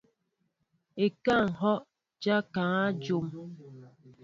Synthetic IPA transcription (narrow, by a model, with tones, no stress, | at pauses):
e˨ka˦˨ŋ̩˨ɦɔ˦ | d͡ʒa˦ka˨ŋa˦d͡ʒo˨m